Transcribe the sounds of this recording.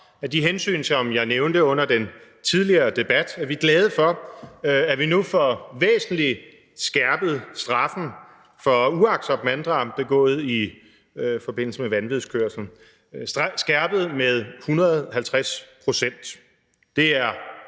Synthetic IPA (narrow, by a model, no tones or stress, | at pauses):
æd̥iɦensy̰ːnsɒ̽mjɑ̈ɪneʊnd̥əɔ̽n̰ɐd̥en | t͡sʰið̞ˠliɐːd̥e̝b̥æd̥æɐʋiɡ̥lɛːð̞ˠəfɒ̽ | æɐʋinufɒʋḛːsn̩li | sɡ̥æɐb̥ð̞̩ˠsd̥ʁɑ̈fn̩ | fɒ̽uɑ̈ɡ̥sɒ̽b̥mænd̥ʁɑ̈md̥e̝ɡ̥ɔ̰̽ːð̩ˠi | fɒ̽b̥e̝n̰l̩səmeʋænʋiðˠskʰøɐ̰sln̩ | ssɡ̥æɐb̥əð̞̩ˠmeð̞ˠhunʁɐð̩ˠhælt͡sʰʁaspʰʁo̝sen̰d̥ | d̥e̝æɐ